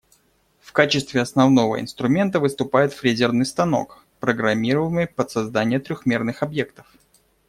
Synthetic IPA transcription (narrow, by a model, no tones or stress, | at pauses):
fkat͡ɕɪst̪vʲɪɐsnɐvno̞və̰ɪ̰n̪st̪ɾʊmʲe̞nt̪əvɨst̪ʊpajɪt̪fɾʲezʲɪrnɨjst̪ɐno̞̰k | pɾəɡɾɐmʲiɾəvəmɨjpət̪sɐzd̪anʲɪjət̪ɾʲʊxmʲe̞rnɨxɐbje̞kt̪ə̥f